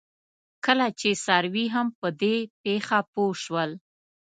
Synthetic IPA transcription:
kəlat͡ʃesaɾwiɦampəd̪epexapoʃwəl

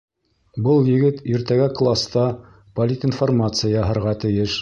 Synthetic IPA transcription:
bɤlˠjɘ̆ɡɘt̪iɾt̪æɡæklˠast̪ɑ | pɐlʲit̪informat̪sɨjajɑɦɤ̆ɾʁɑt̪ɘ̆jɘʃ

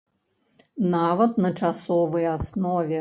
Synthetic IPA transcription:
navɐt̪̚nɐt͡ʂasɔvɨjasnɔvʲɛ

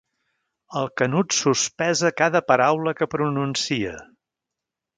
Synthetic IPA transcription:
əlˠkənut̪suspɛzəkaðəpəɾawləkəpɾununsiə

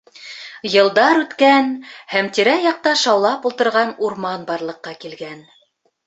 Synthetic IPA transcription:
jɤ̆lˠd̪ɑɾʉt̪kænhæmt̪iɾæjɑq̚t̪ɑʃɑwlˠɑpulˠt̪ɤ̆ɾʁɑnuɾmɑnbɑɾlˠɤ̆qːɑkilɡæn

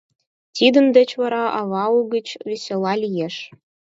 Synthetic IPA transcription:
t̪ʲid̪ə̆nd̪ə̆t͡ɕβɑɾɑʔɑβɑuɡə̆t͡ɕβesʲelɑlʲijeʃ

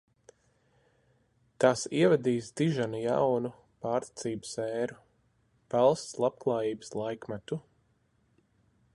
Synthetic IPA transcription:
t̪asiɛvɛd̪iːsd̪iʒanuja̰wnu | paːɾt̪i̥t̪siːbə̥sɛːɾu | pælˠst̪slˠap̚klˠaːjiːbəslˠajkmæt̪u

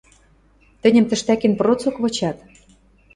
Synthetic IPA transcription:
t̪ɘ̆nʲɘ̆mt̪ɘ̆ʃt̪ækenprot͡sokβɤ̆t͡ɕɑt̪

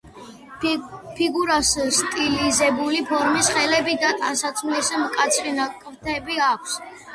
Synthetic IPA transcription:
pʰiɡuɾasst̪ʼilizɛbulipʰɔɾmisχɛlɛbid̪at̪ʼansat̪sʰmlisɛmkʼat̪sʰχinakʼɾt̪ʰɛbiakʷʰs

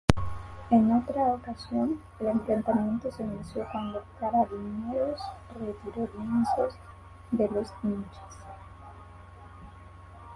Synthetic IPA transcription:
enot̪ɾaokasjon | elemplent̪amjẽ̞nt̪osenũnsjokwand̪oekaɾaðineɾosret̪iɾoljensoz | d̪elozniɲt͡ʃe̥s

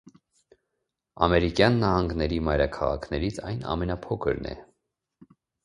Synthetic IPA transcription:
ɑmɛɾikjɑnːɑhɑŋɡnɛɾimɑjɾɑkʰɑʁɑ̰kʰnɛɾit͡sʰɑjnɑ̰mɛnɑpʰɔkʰəɾnɛ̰

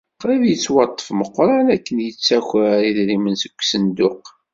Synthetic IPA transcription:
qɾævjət͡sːwɑt̪ˤːə̥fməqːɾˤɑnækːənjət͡sːæçɾiðɾimənsəkʷːsənd̪ʊq

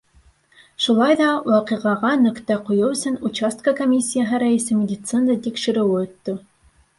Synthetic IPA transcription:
ʃulˠɑjðɑwɑqɨʁɑʁɑnɵ̆kt̪æqujɤwɵ̆sɘnut͡ɕast̪̚kəkomʲisʲːijaɦɘɾæɘ̆sɘmʲɪdʲit̪sɨnd̪ət̪ikʃɘ̆ɾɘ̆wɘɵ̆t̪ːɵ

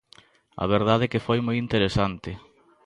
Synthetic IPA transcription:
a̰β̞eɾð̞aðekɪfojmojint̪eɾesant̪ɪ

